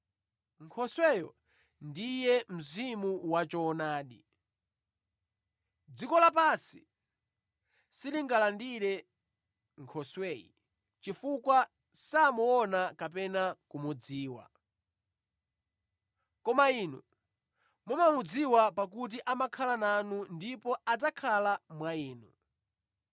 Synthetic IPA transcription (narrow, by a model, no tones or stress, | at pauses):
ŋkʰɔswɛjɔ̰ | ndijɛm̩zimuwat͡ʃɔnaːɗḭ | d͡zikɔlap̬asi | siliŋɡalandiɾɛ | ŋkʰɔswɛːjḭ | t͡ʃifukwa | samuɔnakap̬ɛnakumud͡ziːwa̰ | kɔmaiːnṵ | mumamud͡ziwapak̬ut̬iʔamakʰalananundipɔad͡zakʰalamwaiːnṵ